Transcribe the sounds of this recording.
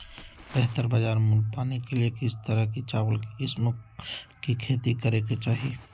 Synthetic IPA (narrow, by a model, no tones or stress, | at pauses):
b̥ɛɦt̪əɾbəd͡ʒaːɾmʊlpaːnekeliekɪst̪əɾəkit͡ʃaːʋəlkɪsmʊkkikʰeːt̪ikəɾeket͡ʃaːɦi